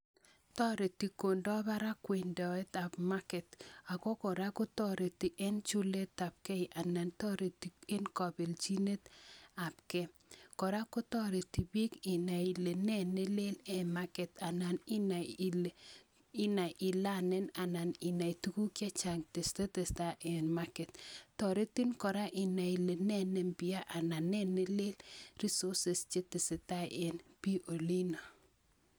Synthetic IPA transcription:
tɔ˦ɾe˨ti˨ko˨ndɔ˦ba˦ɾa˦kwe˨ndɔ˨ɛ˦ta˨pma˦kɛ˨t̪a˨kɔ˦kɔ˨ɾa˦kʊ˦tɔ˦ɾe˨ti˨ʔɛ˦nt͡ʃu˦le˦ta˨p̚kɛ˦ɪ˨ʔa˨na˨ntɔ˦ɾe˨ti˨e˦nkɔ˨be˨lt͡ʃi˦ne˦t̪a˨p̚kɛ˦ | kɔ˨ɾa˦kʊ˦tɔ˦ɾe˨ti˨bi˦kɪ˨na˨i˨le˨nɛ˦˨ne˦le˦lɛ˦ma˦kɛ˨ta˨na˨n˦ | ɪ˦na˨ʔɪ˨la˦nɛ˦na˨na˨nɪ˨na˨i˨tu˦ku˦kja˦t͡ʃa˨ŋte˨ste˦te˨sta˦ʔe˨nma˦kɛ˨t̪ːɔ˨ɾe˦ti˦nkɔ˨ɾa˦ʔɪ˨na˨i˨le˨nɛ˦nɛ˨mbi˨a˦ʔa˨na˨nɛ˦nːɪ˦lɪ˦lɾi˦sɔ˦se˨st͡ʃe˦tɪ˨sɪ˨ta̰˦ʔe˨npi˦ʔo˨li˦no˨

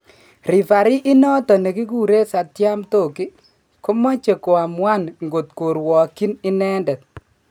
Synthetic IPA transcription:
ri˨fa˨ɾi˦ʔɪ˦nɔ˦tɔ˨ne˨ki˦k̬u˦˨ɾe˦sa˨tja˦mto˦˨ki˦ | ko˦mɔ˦t͡ʃe˨ko˨a˨mwa˦nŋɡo˨tko˨ɾwɔ˨ki˦ni˦nɛ˦ndɛ˨t̚

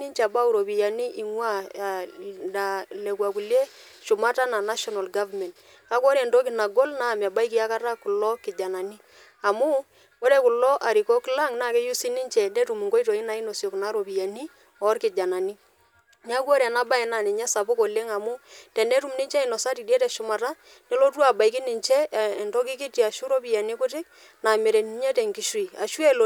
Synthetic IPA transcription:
ni˦ɲt͡ʃa˨ba˦u˨ɾo˨bi˨ja˨ni˦ʔi˨ŋwa˦˨ | da˨le˨kwa˨ku˨lje˦ | ʃʊ˨ma˦ta˦na˨na˦ʃɔ˨na˨lɡa˦vamɛ˨nt | ka˦kɔ˦ɾe˨ndo˦k̬ɪ˨na˨ɡɔ˦lna˦˨ma˨ba˦i˦k̬ɪ˦a˦ka˦ɾa˦ku˨lɔ˦kɪ˨d͡ʒa˨na˨ni˦ | a˨mu˦ | ko˦ɾe˨ku˨lɔ˦ʔa˨ɾi˨ko˦kla˦ŋna˦˨ke˦ju˦si˦ni˦ɲt͡ʃɛ˨nde˦tu˨mu˨ŋɡo˦jto˨i˦na˨˦i˦no˨sjɔ˨kna˦ɾo˨bi˨ja˨ni˦ | ɔ˦rkɪ˨d͡ʒa˨na˨ni˦ | ɲ˦a˦kwo˦ɾɛ˨na˦ba˦ɛ˨na˨nɪ˨ɲɛ˦sa˨pʊ˦ko˨le˦ŋa˨mʊ˦tɛ˨nde˦tu˦mnɪ˦ɲt͡ʃɛ˦˨i˨nɔ˨sa˦ti˨de˦tɛ˨ʃʊ˨ma˨ta˦ | nɛ˦lo˦tu˦a˨ba˨i˦kɪ˦nɪ˨ɲt͡ʃɛ˦˨nto˦k̬ɪ˦kɪ˦ti˨a˨ʃu˦ɾo˦pi˨ja˨ni˦kʊ˦tɪ˦k̚ | na˨mɪ˨ɾɛ˨ni˦ɲɛ˦tɛ˨ŋkɪ˦ʃu˦i˨a˨ʃu˦e˦lo˨

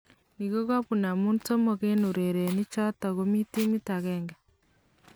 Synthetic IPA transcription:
niɣo˦ɣa˦βu˨na˨muː˦nto˦moɣenu˨ɾeɾe˨ni˦t͡ʃa˦ta˨ɣo˦mi˦ti˦mi˦taɣeːŋɡa

